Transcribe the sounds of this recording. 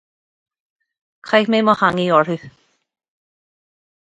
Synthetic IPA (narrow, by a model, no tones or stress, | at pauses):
kʰajmeːmɔhaŋiɔɹʉ